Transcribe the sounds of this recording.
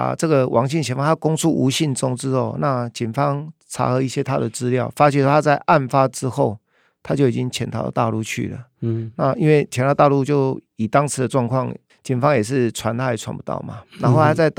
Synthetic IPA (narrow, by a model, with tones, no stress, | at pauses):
ʈ͡ʂɤ˥˩ɡə˨wʔɑ˧˥ŋɕi˥˩nt͡ɕʰjɛ˧˥nfa˥˧˩a˥˩kʊ˥ŋt͡sʰu˥˩ʔu˧˥ɕi˥˩nt͡sʊ˥ŋt͡sɹ̩˦ɔ̰˨na˥˧t͡ɕi˨˩nfɑ˦ŋt͡sʰa̰˧˥xɤ˧˦i˥˩ɕjɛ˦t̪ʰa˦˥d̪ə˨t͡sɹ̩˦ljɑ˥˨ʊfa˥t͡ɕʰi˥˩swt̪ʰa˥t͡sa˥˧ɪʔa˥˩nfa˦ʈ͡ʂɻ̩˦xo˥˩ʊ | t̪ʰa˥t͡ɕjo˥˩ʊi˨˩t͡ɕi˦˥ŋt͡ɕʰjɛ˧˥nt̪ʰɑ˨˥ʊdə̰˨t̪a̰˥˧lu˥˧t͡ɕʰy̰˥˩lə̰˩na˥˧i˥nwe˥˩ɪt͡ɕʰjɛ˧˥nʰ˨˧˥ʊt̪a˥˧lu˥˧t͡ɕjo˥˩ʊi˨˩t̪ɑ˥ŋt͡s̩ʰ˧˥d̪ə˨˩ʈ͡ʂwɑ˥˧ŋkʰwɑ˥˩ŋ | t͡ɕi˨˩nfɑ˦ŋjɛ˨˩ʂ̬ɻ̩˥˩t͡sʰwa˧˦nt̪ʰa˥i˨˩t͡sʰwa̰˧˥npu˧t̪ɑ̰˥˩ʊma̰˩na˧˥nxo˥˧a˥t͡sa˥˧ɪt̪